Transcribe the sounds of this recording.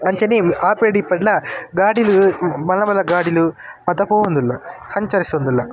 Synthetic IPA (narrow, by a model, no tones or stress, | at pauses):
ɐɲt͡ʃɐniaːpeːɖipːɐʈlaɡaːɽilumɐlːɐbɐlːɐɡaːɽilumɐt̪ɐpoːund̪ulːasɐɲt͡ʃɐɾist̪ond̪ulːa